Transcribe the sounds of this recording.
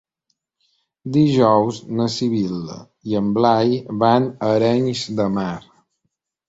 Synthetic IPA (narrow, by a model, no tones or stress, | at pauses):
d̪iʒɔwznəsiβilə̰ | iəmblajβanəɾɛɲzd̪əmaɾ